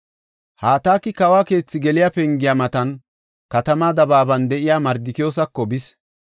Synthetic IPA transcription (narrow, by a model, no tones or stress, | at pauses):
haːt̪aːkːɪkɐwaːke̞ːt͡sːɪɡɛlɪjapɛŋɡɪjamɐt̪ɐn | kɐt̪ɐmaːd̪ɐbaːbɐnd̪ɛʔɪjaːmɐɾd̪ɪkɪjo̞ːs̬ɐkːɔbɪs